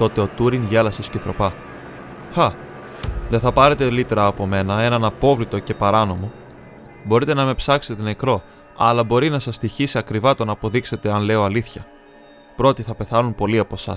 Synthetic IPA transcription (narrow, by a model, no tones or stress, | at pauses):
t̪o̞t̪e̞o̞t̪uɾiŋʝelɐsisceθɾo̞pɐ | xɐ | ðenθɐpɐɾe̞t̪e̞lit̪ɾɐːpo̞me̞nɐe̞nɐnɐpo̞vlit̪o̞ce̞pɐɾɐno̞mo̞ | bo̞ɾit̪e̞nɐme̞psɐkset̪e̞ne̞kɾo̞ | ɐlɐbo̞ɾinɐsɐst̪içisiɐkɾivɐt̪o̞nɐːpo̞ðikse̞t̪e̞ɐnle̞o̞ɐliθçɐ | pɾo̞t̪iθɐpe̞θɐnumpo̞liɐpo̞sɐ̰s